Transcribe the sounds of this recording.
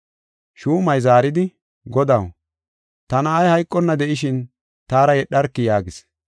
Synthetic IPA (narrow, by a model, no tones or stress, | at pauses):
ʃuːmɐjzaːɾɪd̪ɪ | ɡɔd̪ɐw | t̪ɐnɐːjhɐjkʼːɔnːɐd̪ɛʔɪʃɪn | t̪aːɾɐjɛɗːɐɾkːɪjaːɡɪs